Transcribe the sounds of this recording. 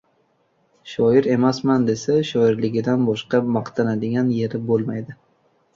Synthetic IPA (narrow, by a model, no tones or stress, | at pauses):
ʃɒjɪɾe̞masmand̪e̞saʃɒɪɾlɪɡʲɪd̪anbɒʃqɑmɑqt̪ʰanad̪ɪɡʲanje̞ɾɪbolˠmajd̪ɪ